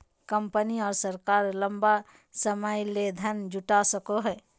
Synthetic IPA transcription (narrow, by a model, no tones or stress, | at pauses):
kəmpəniɔːɾsəɾkaːɾləmba | səməjled̪ʱənd͡ʒʊʈasəkoɦɛː